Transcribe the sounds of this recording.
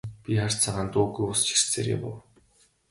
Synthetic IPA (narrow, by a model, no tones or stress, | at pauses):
pʲiχar̥ʲt͡sʰaʁaːnt̪uːɣujʊst͡ɕʰi̥r̥t͡sḛːɾḛpʊ̰w